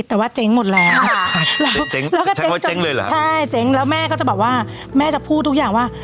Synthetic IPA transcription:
t̪ːɛː˨˩waː˥˩t͡ɕe˦˥ŋmo˨˩t̪̚lɛː˨˦˥wlɛː˦˥wŋlɛː˦˥wkɔː˥˩t͡ɕe˦˥˩t͡ɕa˨e˦ŋlːjt͡ɕʰa˥˩jt͡ɕe˦˥ŋlɛː˦˥wmɛː˥˩kɔː˥˩a˨˩bɔː˨˩waː˥˩ | mɛː˥˩t͡ɕa˨˩pʰuː˥˩t̪ʰːu˦˥k̚jaː˨˩ŋwaː˥˩

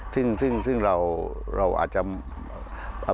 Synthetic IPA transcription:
sɯ˥˩ŋsɯ˥˩ŋsɯ˥˩ŋɾa˧wɾa˧wʔa̰ː˨˩t̪̚t͡ɕa˨˩ | ʔa˧

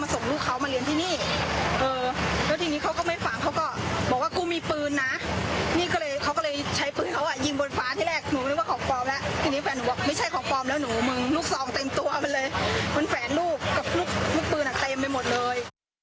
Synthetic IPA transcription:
maː˧so˨˩˦ŋluː˥˩kʰːa˦˥wma˧li˧ənt̪ʰiː˥˩niː˥˩ʔɤː˧lɛ˦˥wt̪ʰiː˧niː˦˥kʰa˦˥wkɔː˥˩ma˥˩jfa˨˩ŋkʰa˦˥wkɔː˥˩bɔː˨˩k̚waː˥˩kuː˧˩miː˧pɯː˧nːa˦˥niː˥˩kɔː˥˩lɤː˧jkʰa˦˥wkɔː˥˩lɤː˧jt͡ɕʰa˦˥jpɯː˧nkʰa˦˥wʔa˧˩ji˧˩ŋbo˧nfaː˦˥t̪ʰiː˥˩ɾɛː˥˩k̚nuː˨˦˧waː˥˩kʰɔː˩˦ŋpɔː˧mlɛ˦˥ʔt̪ʰiː˧niː˦˥fɛː˨˦nːuː˨˦bɔː˨˩k̚ma˥˩jt͡ɕʰa˥˩jkʰɔː˨˩˦ŋpɔː˧mlɛː˦˥wnuː˩˦mɯ˧ŋluː˥˩k̚sɔː˧˩ŋt̪e˧mt̪u˧ɐma˧nlɤː˧jma˧nfɛː˩˦nluː˥˩p̚ka˨˩p̚luː˥˩k̚lʰuː˥˩k̚pɯː˧nʔa˨˩t̪e˧mpa˧jmo˨˩t̪̚lɤː˧j

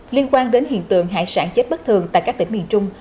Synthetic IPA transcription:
li˧ənkwaː˧nɗe˨˦nhḭ˧˨ənt̪ɨ̰˧˨əŋɦa̰ː˧˨jsa̰ː˧˥ŋt͡ɕe˦˥t̚ɓə˦˥k̚t̪ʰɨ˨˩əŋt̪a̰˧˨kaː˦˥k̚t̪ŋmḭ˧˨˩nt͡ɕʊ˧ŋ͡m

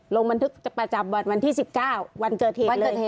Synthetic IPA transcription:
lo˧ŋba˧nt̪ʰɯ˦˥k̚t͡ɕa˨˩pɾa˧t͡ɕa˧˩mbɔː˨˩nwa˧nt̪ʰiː˥˩si˨˩p̚kaː˥˩wwa˧nkɤː˨˩t̪̚heː˨˩˧lɤː˨˧j

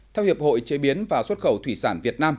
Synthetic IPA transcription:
t̪ʰɛ˧whi˨˩əp̚ho̰˧˨jt͡ɕe˨˦ɓi˨˦ənvaː˨˩swə˦˥t̚xə˧˩wt̪ʰwi˧˩saː˧˩nvi˨˩ət̚naː˧m

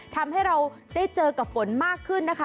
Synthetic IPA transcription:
t̪ʰa˧mha˥˩jɾa˧w | daː˥˩jt͡ɕɤː˧ka˨˩p̚fo˩˦nmaː˥˩kʰːɯ˥˩nːa˦˥kʰa˦

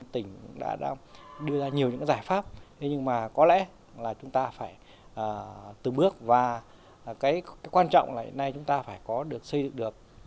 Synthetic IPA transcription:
t̪ï˧˩ŋ̟ɗa̰ː˧˥ɗa̰ː˧ŋɗɨ˧əzaː˧ɲi˨˩əwɲɨ̰˧˥kzaː˧˩jfaː˦˥p̚t̪ʰe˨˦ɲɨ˧ŋmaː˨˩kɔ˨˦lɛ̰˧˥ | laː˨˩t͡ɕʊ˨˦ŋ͡mt̪aː˧faː˧˩j | ʔəː˨˩t̪ɨ˨˩ɓɨ˦˥ək̚vaː˨˩ | kaː˨˦jkaː˨˦jkwaː˧nt͡ɕɔ̰˧˨wŋ͡mlaː˧˨j̰na˧jt͡ɕʊ˨˦ŋ͡mt̪aː˧faː˧˩jkɔ˨˦ɗɨ˨˩ək̚sə˧jzɨ̰˧˨ŋɗɨ˨˩ək̚

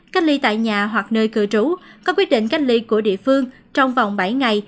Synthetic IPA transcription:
ka˦˥k̚li˧t̪a̰ː˧˨jɲaː˨˩ɦwa˨˩k̚nəː˧jkɨ˧˩ət͡ɕu˨˦kɔ˨˦kwi˦˥ət̚ɗḭ̈˧˨ŋka˦˥j̚li˧ku˧˩əɗḭ˧˨əfɨ˧əŋ | t͡ɕɔ˧wŋ͡mva˨˩wŋ͡mɓa˧˩jŋa˨˩j

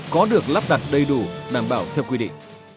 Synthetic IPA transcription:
kɔ˨˦ɗɨ˨˩ək̚laː˦˥p̚ɗa˨˩t̚ɗə˧jɗu˨˧˩ɗaː˧˩mɓaː˧˩wt̪ʰɛ˧wkwi˧ɗḭ˧˨ŋ

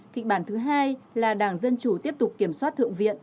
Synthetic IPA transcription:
kï˨˩k̟̚ɓaː˧˩nt̪ɨ˨˦ɦaː˧jlaː˨˩ɗaː˧˩ŋzə˧nt͡ɕu˧˩t̪i˦˥əp̚t̪ʊ˨˩k͡p̚ki˧˩əmswa˦˥t̚t̪ʰɨ̰˧˨əŋvḭ˧˨ən

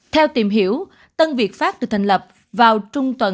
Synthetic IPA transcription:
t̪ʰɛ˧wt̪i˨˩mɦḭ˧˥əw | t̪ə˧nvi˨˩ət̚faː˦˥t̚t̪ɨ˨˧˩t̪ʰa˨˩ŋ̟lə˨˩p̚ | vaː˨˩wt͡ɕʊ˧ŋ͡mt̪wə˧˩

